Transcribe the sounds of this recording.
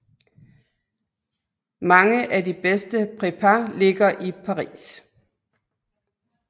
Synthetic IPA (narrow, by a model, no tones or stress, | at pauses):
mɑ̈ŋəʔædib̥esd̥əpʰʁepʰæle̝ɡ̥ɐʔipʰɑ̈ʁḭːs